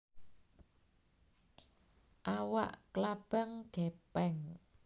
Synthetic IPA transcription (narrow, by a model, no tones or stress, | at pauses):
ʔawa̰ʔklab̥a̤ŋɡ̥epɛŋ